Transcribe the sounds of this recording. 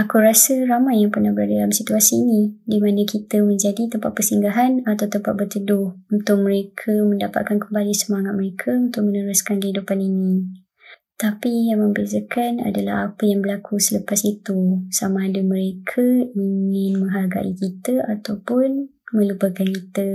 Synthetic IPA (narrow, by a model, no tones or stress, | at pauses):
akuɾasəɾamajaŋpərnahbəɾaddalamsit̪uasiːnĩdimanãkit̪əmə̃ɲd͡ʒadit̪əmpaʔ̪̚pəsiŋɡaɦanat̪awt̪əmpaʔ̪̚bərt̪ədʊhunt̪ʊk̚məɾekʰəmə̃ndapa̰t̪̚kankəmbalisəmaŋat̪̚məɾekʰəunt̪ʊk̚mənəɾʊskankəɦidupaninĩ | t̪apijaŋmə̃mbezəkana̰dala̰hapəjaŋbəlakʰusələpasit̪usamãːdamə̃ɾekʰəiŋɪ̃nmə̃ŋɦarɡa̰ʔikit̪əat̪awpʊn | mə̃lupəkankit̪ə